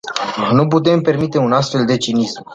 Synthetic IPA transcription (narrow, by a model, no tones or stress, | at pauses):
nup̬ut̪e̞mpe̞rmit̪e̞unas̬t̪fe̞ld̪e̞t͡ʃinism